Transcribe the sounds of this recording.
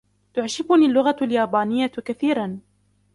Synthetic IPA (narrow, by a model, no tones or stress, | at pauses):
t̪ʊʕʃɪbʊnilːʊɣaljaːbaːnɪjːakaθiːɾan